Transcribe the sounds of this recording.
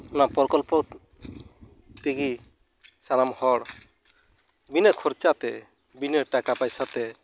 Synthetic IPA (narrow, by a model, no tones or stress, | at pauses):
ɔnapɔɾkɔlpɔ | t̪iɡi | sanamhɔɽ | binəkʰɔɾt͡ʃat̪ɛ | binəʈakapajsat̪ɛ